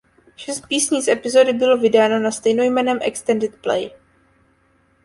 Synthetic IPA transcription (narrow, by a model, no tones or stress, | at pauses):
ʃɛst̪̚piːsɲiːsɛpɪzo̞dɪbɪlo̞vɪdaːno̞nast̪ɛjnojmɛnɛːmʔɛ̰kst̪ɛndɪt̪plɛ̰j